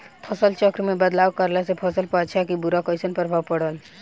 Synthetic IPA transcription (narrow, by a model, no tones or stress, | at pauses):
pʰəsəlt͡ʃɔkɾmẽbəd̪laːwkəɾlasepʰəsəlpat͡ʃʰakibuɾakɔjsənpəɾbʱawpəɽəl